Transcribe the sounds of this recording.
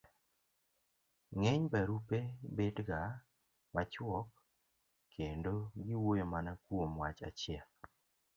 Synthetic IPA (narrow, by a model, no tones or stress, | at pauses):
ŋɛɲbaɾupebedɡa | mat͡ʃwɔk | kʰːendoɡɪwojomanakwomwat͡ʃa̰t͡ʃjɛl